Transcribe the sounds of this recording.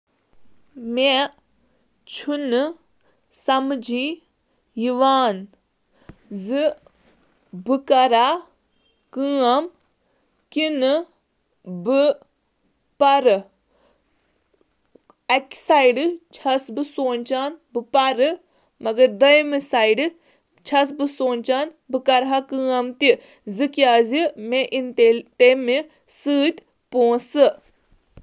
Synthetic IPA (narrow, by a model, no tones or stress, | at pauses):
me | t͡ʃʰunɨ | sɐmd͡ʒiː | jiʋaːn | zɨ | bɨkɐɾaː | kɨːɐm | kinɨ | bɨ | pɐɾɨ | eksaːiɖɨt͡ʃʰɐsbɨsoːnʲt͡ʃaːnbɨpɐɾɨ | mɐɡɐɾd̪ɐjmisaːiɖɨ | t͡ʃʰɐs̬bɨsoːnʲt͡ʃaːn | bɨkɐɾɦakɨ̃ːɐmt̪i | zɨkjaːzimẽʔint̪et̪eːmi | sɨːt̪ʲ | põːsɨ